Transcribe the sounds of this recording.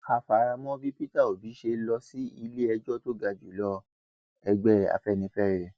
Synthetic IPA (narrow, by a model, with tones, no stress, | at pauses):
ka˧fa˨˦ɾa˧mɔ̃˦bi˦pi˦ta˦˨o˨bi˨˦ʃe˧lɔ˧si˦i˧le˦ɛ˧d͡ʒɔ˦˨to˦ɡa˧d͡ʒu˨˦lɔ˦ | ɛ˧ɡ͡bɛ˦a̰˧fɛ˦˨nĩ˧fɛ˦˨ɾɛ˨